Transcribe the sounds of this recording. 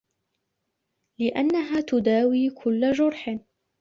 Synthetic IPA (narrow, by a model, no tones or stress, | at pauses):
lɪʔanːaɦaːt̪ʊd̪aːwiːkʰʊlːad͡ʒʊɾħ